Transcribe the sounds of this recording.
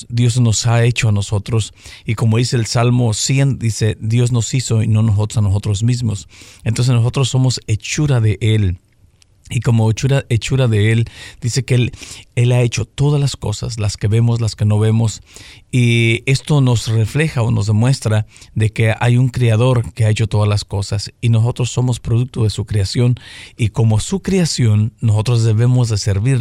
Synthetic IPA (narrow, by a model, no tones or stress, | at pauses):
d̪jo̞zno̞sae̞t͡ʃo̞ano̞so̞t̪ɾo̞siko̞mo̞ðise̞ːlsalmo̞sje̞nd̪ise̞d̪jo̞zno̞siso̞ino̞nos̬ot̪osanoso̞t̪ɾo̞zmizmo̞sent̪o̞nsesno̞s̬o̞t̪ɾosːo̞mo̞se̞t͡ʃuɾaðe̞ʔe̞l | iko̞mo̞et͡ʃuɾaet͡ʃuɾaðe̞e̞ld̪ise̞keele̞lae̞t͡ʃo̞t̪o̞ðalasko̞sa̰slaske̞βe̞mo̞slaske̞no̞βe̞mo̞sie̞st̪o̞nosre̞fle̞xaono̞zðe̞mwest̪ɾaðe̞ke̞a̰juŋkɾeaðo̞ɾke̞ae̞t͡ʃo̞t̪o̞ðalasko̞sasino̞s̬o̞t̪ɾosːo̞mo̞spɾoðuk̚t̪o̞ðe̞sukɾeasjo̞niko̞mo̞sukɾeasjo̞nːoso̞t̪ɾozðe̞βe̞mo̞zðe̞se̞ɾβiɾ